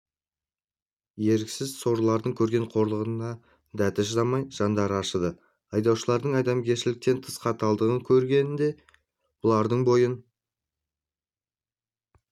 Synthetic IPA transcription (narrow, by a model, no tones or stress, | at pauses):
je̞ɾkʲsɪzso̞ɾəlˠɑɾd̪əŋkʲʰɵɾɡʲe̞ɴqʰo̞ɾlˠəʁənnɑ | d̪æt̪ɪʒəzɑmɑjʒ̥ɑnd̪ɑɾəɑʃəd̪ə | ɑjd̪ɑwʃəlˠɑɾd̪əɴɑjd̪ɑmkʲe̞ɾʃɪlɪk̚t̪e̞nt̪ʰə̥sqɑt̪ɑlˠd̪əʁəŋkʲʰɵɾɡʲe̞nɪnd̪e̞ | wolˠɑɾd̪əɴbo̞jən